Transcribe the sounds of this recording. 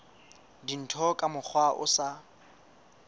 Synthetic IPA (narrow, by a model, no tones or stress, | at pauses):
din̩tʰɔkʼamʊk͡xʰwaʔʊ̰sa